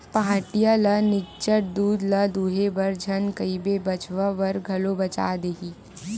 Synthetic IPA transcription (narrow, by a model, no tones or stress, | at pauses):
paãːʈijalɐnɪkt͡ʃəʈ̚d̪uːd̪lɐd̪uːɦebɐɾd͡ʒʱɐnkəibebɐt͡ʃʋəʋɐɾɡʱɐlobɐt͡ʃa̰ːd̪eːɦiː